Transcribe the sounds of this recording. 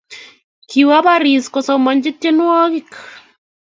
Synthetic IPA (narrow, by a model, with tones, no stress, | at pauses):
kʰiwa˦ba˦ɾi˨skɔ˨sɔ˨mɔ˨ɲd͡ʒɪ˦te˦nwɔ˦ɣɪ˦k